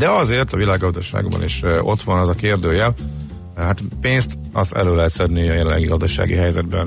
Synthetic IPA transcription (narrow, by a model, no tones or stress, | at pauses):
d̪ɛɒzeːrt̪ɒvilaːɡːɒzd̪ɒʃa̰ːɡbɒ̰nḛːʃot̪ʋɒnɒzɒkeːrd̪øːjɛl | hat̪peːnst̪ | ɒst̪ɛ̰løːlɛɦɛt̪sɛd̪nijɒjɛlɛlːɛ̰ɡiɡɒzd̪ɒʃa̰ːɡḭɦɛjzɛd̪bɛn